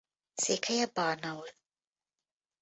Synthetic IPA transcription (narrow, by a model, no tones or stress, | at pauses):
sekʰajabɑnawl